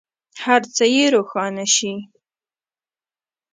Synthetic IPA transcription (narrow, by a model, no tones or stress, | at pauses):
haɾt͡səjeɾoxɑnaʃi